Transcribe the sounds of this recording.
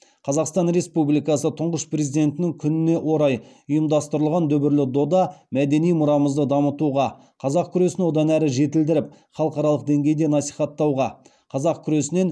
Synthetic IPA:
qʰɑzɑqst̪ɑnɾe̞spublijkɑsət̪ʰʊɴʁəʃprʲe̞zijd̪e̞nt̪ɪnɪŋkʲʰʏnɪne̞ʔwʔo̞ɾɑj | ʊjəmd̪ɑst̪əɾəlˠʁɑnd̪ɵbɪɾlɪd̪o̞d̪ɑmæd̪e̞nijmʊɾɑməzd̪əd̪ɑmət̪uʁɑ | qʰɑzɑq̚kʲʰʏɾe̞sɪnwo̞d̪ɑnæɾɪʒe̞t̪ɪld̪ɪɾɪp̚ | χɑlˠəqɑɾɑlˠəqd̪e̞ŋɡʲe̞jd̪e̞nɑsijχɑt̪ːɑwʁɑ | qʰɑzɑqkʲʰʏɾe̞sɪne̞n

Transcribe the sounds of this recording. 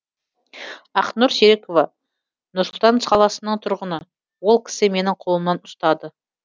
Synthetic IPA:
ɑqnuɾseɾeko̞vɑ | nʊɾsʊlˠt̪ɑnsqʰɑlˠɑsənəɴt̪ʰʊɾʁənə | wo̞lˠkʲʰɪ̥sɪme̞nɪɴqʰo̞lˠəmːɑnʊst̪ɑd̪ə

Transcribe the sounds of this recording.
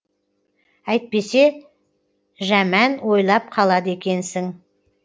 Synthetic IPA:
æjt̪̚pe̞se̞ | ʒæmænwo̞jlˠɑp̚qʰɑlˠɑd̪əe̞kʲe̞nsɪŋ

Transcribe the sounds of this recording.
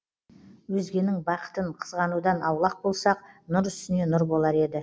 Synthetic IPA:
wɵzɡʲe̞nɪŋbɑqə̥t̪əɴqʰə̥zʁɑnud̪ɑnɑwlˠɑq̚bo̞lˠsɑq̚nʊɾʏst̪ɪne̞nʊɾbo̞lˠɑɾe̞d̪ɪ

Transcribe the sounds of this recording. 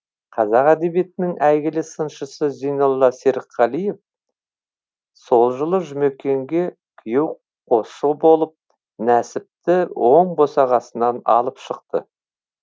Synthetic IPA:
qʰɑzɑqæd̪e̞bije̞t̪ɪnɪŋæjɡʲɪlɪsənʃəsəzijnolˠːɑseɾqʰːɑlˠije̞f | so̞lˠʒəlˠəʒʏme̞kʲːe̞ŋɡʲe̞ | kʲʰije̞w | qʰo̞subo̞lˠəp̚ | næsɪp̚t̪ɪwʔo̞ɴbo̞sɑʁɑsənɑnɑ̰lˠəpʃəqt̪ə̰

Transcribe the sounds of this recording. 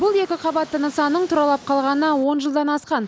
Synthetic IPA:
bʊlˠe̞kʲɪqʰɑbɑt̪ːənəsɑnːəɴt̪ʰʊɾɑlˠɑp̚qʰɑlˠʁɑnəəwonʒəlˠd̪ɑnɑsqɑn

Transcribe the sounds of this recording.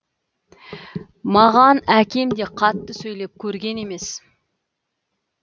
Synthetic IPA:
mɑʁɑnækʲe̞md̪e̞qʰɑt̪ːəsɵjle̞p̚kʲʰɵɾɡʲe̞ne̞me̞s

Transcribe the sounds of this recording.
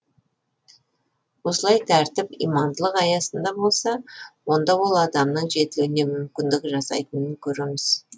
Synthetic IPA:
wo̞səlˠɑjt̪ʰæɾt̪ɪpḭjmɑnd̪əlˠəqɑjɑsənd̪ɑbo̞lˠsɑwo̞nd̪ɑwo̞lˠɑd̪ɑmnəɴʒe̞t̪ɪluɪne̞mʏmkʲɪnd̪ɪkʲʒɑsɑ̰jt̪ənəŋkʲʰɵɾe̞mɪz̥

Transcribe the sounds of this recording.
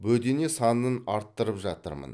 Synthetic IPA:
bɵd̪e̞ne̞sɑnənɑɾt̪ːəɾəpʒɑt̪ə̰ɾmə̰n

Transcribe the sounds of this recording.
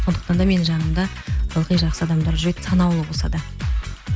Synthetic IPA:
so̞nd̪əqt̪ɑnd̪ɑme̞nʒɑnəmd̪ɑ | bɑlˠqijʒɑqsəɑd̪ɑmd̪ɑɾʒɾejt̪sɑnɑwlˠəbolsɑd̪ə

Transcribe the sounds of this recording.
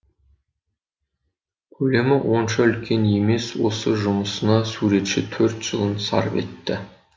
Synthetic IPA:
kʲʰɵle̞mɪwʔo̞nʃɑʏlkʲʰe̞ne̞me̞swo̞̰səʒʊməsənɑsuɾe̞t̪ʃɪt̪ʰɵɾt̪ʒ̥əlˠənsɑ̰ɾəpe̞t̪ːɪ

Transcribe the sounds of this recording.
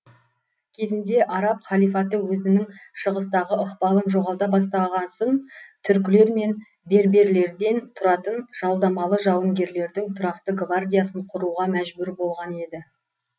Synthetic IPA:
kʲʰe̞zɪnd̪e̞ʔɑɾɑpχɑlˠijfɑt̪əwɵzɪnɪŋʃəʁəst̪ɑʁəʔəqpɑlˠənʒo̞ʁɑlˠd̪ɑbɑs̬t̪ɑʁɑnsənt̪ʰʏɾk̬ʲɪle̞ɾme̞n | be̞ɾbe̞ɾle̞ɾd̪e̞nt̪ʰʊɾɑt̪ənʒ̥ɑlˠd̪ɑmɑlˠəʒɑwəŋɡʲe̞ɾle̞ɾd̪ɪŋt̪ʰʊɾɑqt̪əɡvard̪ʲijasəɴqʰʊɾuʁɑmæʒbʏɾbo̞lˠʁɑne̞d̪ɪ

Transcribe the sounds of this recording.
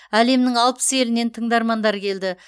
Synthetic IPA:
æle̞mnɪŋɑlˠpə̥se̞lɪne̞nt̪ʰəɴd̪ɑɾmɑnd̪ɑɾkʲʰe̞ld̪ɪ

